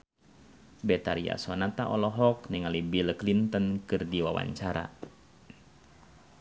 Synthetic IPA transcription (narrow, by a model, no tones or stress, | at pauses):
bɛt̪aɾia̰sɔnat̪aʔɔlɔɦɔkniŋalibilklint̪ənkɨrdiwawa̰ɲt͡ʃaɾa̰